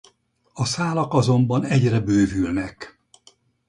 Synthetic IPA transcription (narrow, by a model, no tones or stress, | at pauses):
ɒsaːlɒkɒzo̞mbɒnɛɟrɛbøːvylnɛk